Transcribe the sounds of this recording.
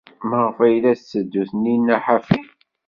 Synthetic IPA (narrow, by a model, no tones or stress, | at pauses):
məʁfæjlæsːəd̪ːuθninːæħafi